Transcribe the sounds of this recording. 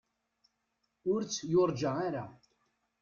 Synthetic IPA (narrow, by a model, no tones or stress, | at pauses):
ʊɾt͡sːjʊɾˤd͡ʒaaɾa̰